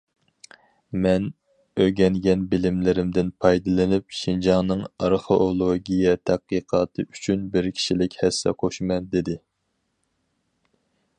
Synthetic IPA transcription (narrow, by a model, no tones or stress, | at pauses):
mɛn | øɡʲɛŋɡʲɛnbɪlɪmlɪɾɪmd̪ɪnpʰɑjd̪ɨlˠɨnyp̚ʃind͡ʒɑŋnɨŋɑɾχoʔolˠoɡʲijɛt̪ʰæqːɨqʰɑːt̪ʰɨyt͡ʃʰynbɪɾkʲʰi̥ʃilɪkʲhɛsːɛ̰qʰoʃmɛnd̪ɪd̪ɪ